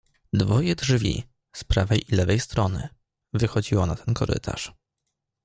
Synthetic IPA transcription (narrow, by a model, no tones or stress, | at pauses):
d̪vɔjɛdʐvʲḭ | spɾavɛjʔilɛvɛjst̪ɾɔnɘ̰ | vɘxɔd͡ʑiwɔnat̪ʰɛnkɔɾɘ̰t̪ʰa̰ʂ